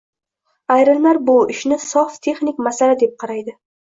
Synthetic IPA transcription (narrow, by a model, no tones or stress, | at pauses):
ajɾɪllaɾbʊɪʃnɪsɒft̪ʰe̞χnikʲmasalad̪e̞p̚qʰɑɾajd̪ɪ